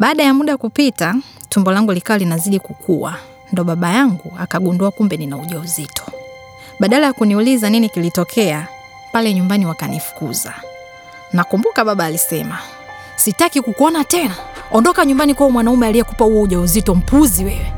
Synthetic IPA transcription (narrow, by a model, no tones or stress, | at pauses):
ɓaːɗajamuɗakupita | tumbɔlaŋɡulikawalinaziɗikukʰuwa̰ | ndɔɓaɓajaŋɡuakaɡunduakumbɛninauʄauzitʰɔ̥ | ɓaɗalajakuniulizaninikilitɔkʰɛa | palɛɲumbaniwakanifu̥kṵza̰ | nakumbukaɓaɓaːlisɛma | sitakikukuɔnatɛnaɔndɔkaɲumbanikwawɔmwanaumɛalijɛkupahuwɔuʄauzitɔm̩puziwɛwɛ